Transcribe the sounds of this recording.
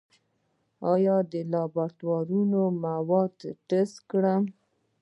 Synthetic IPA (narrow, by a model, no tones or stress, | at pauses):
ɑjɑd̪əlɑbat̪wɑɾunomawɑd̪ʈəskɽəm